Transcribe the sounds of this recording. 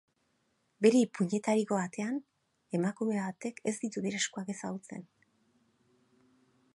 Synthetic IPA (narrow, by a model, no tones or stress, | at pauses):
be̞ɾeipuɲe̞t̪aɾiko̞βat̪e̞an | e̞makume̞βat̪e̞ke̞zd̪it̪uðeɾeskuake̞saɣut͡se̞̰n